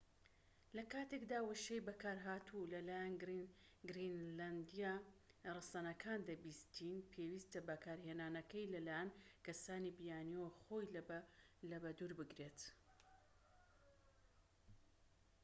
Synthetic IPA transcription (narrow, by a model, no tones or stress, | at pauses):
lɐkaːt̪e̞kd̪aːwɐʃejbɐkaːɾɦaːt̪ʰulɐlaːjan | ɡɾinland̪ija | rɨsanɐkʰaːnd̪ɐbist̪ʰinpʰewiːst̪ɐbɐkʰaːɾhenaːnɐkɐjlɐlaːjankɐsaːnibijaːniwχo̞jl | lɐbɐd̪uːɾbɨɡɾe̞ːt̪